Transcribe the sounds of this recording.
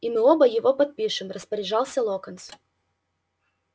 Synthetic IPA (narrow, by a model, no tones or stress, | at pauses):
imɨobɐjɪvopɐt̪̚pʲiʂɨmrəspəɾʲɪʐɑlˠsʲɐlˠokɐnt̪s